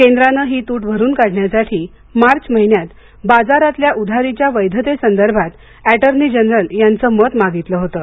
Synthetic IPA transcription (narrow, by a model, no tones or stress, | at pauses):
kend̪ɾanəːɦiːt̪uːʈbʱəɾuːnkaɽɳjasaʈʰiː | maɾt͡ɕməɦinjat̪ | bad͡zaɾat̪ljaʔud̪ʱaɾit͡ɕjaʋəjd̪ʱət̪esənd̪əɾbʱat̪ | æʈəɾnid͡ʑənɾəljant͡səːmət̪maɡit̪ləɦot̪ə